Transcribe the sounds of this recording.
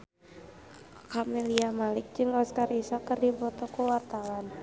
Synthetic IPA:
kameliamalɪk̚d͡ʒɨŋɔskarisɔkɨrdibɔt̪ɔkuwart̪awan

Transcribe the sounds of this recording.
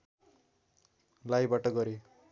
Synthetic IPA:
lajbaʈʌɡʌɾe

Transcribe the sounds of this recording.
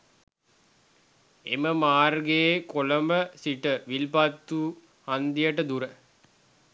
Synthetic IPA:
eməmaːrɡekoləməsiʈəʋilpat̪ːuː | hand̪ijəʈəd̪uɾə

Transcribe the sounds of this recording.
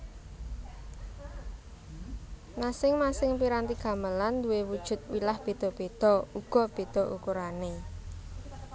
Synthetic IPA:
nasɪŋmasɪŋpiɾant̪iɡ̥ä̤məland̪uwewud̥ʒ̥ʊ̤t̪̚wilahb̥e̤d̪̥ɔ̤b̥ed̪̥ɔ̤uɡ̥ɔ̤b̥e̤d̪̥ɔ̤ʔukuɾane

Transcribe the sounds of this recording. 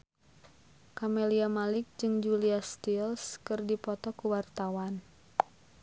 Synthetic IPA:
kameliamalɪk̚d͡ʒɨŋd͡ʒuliast̪ilskɨrdipɔt̪ɔkuwart̪awan

